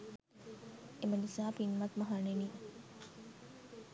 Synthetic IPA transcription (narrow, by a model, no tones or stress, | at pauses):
emɐnisaːpinmɐt̪mɐɦɐneniː